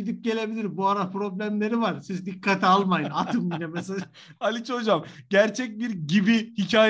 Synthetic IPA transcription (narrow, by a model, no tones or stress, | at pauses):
id̪ip̚ɟe̞lʲe̞bilʲiɾbuaɾapʰɾo̞blʲæmlʲe̞ɾivaɾsizd̪ikʰːat̪ʰialˠmajɯnat̪ʰɯmbinɛmɛselʲa | alʲit͡ʃʰod͡ʒam | ɟæɾt͡ʃʰɛc̚biɾɟibihicʰaːj